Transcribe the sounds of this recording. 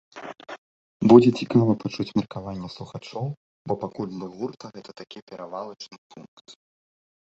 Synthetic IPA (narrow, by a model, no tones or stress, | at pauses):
bud͡zʲɛt͡sʲikavɐpat͡ʂut͡sʲmʲɛrkavanʲːɛslˠuxat͡ʂɔw | bɔpakulʲd̪ɨɣurt̪ʰɐɣɛt̪ɐt̪akʲipʲɛɾavalˠɐt͡ʂnɨpʰunkt̪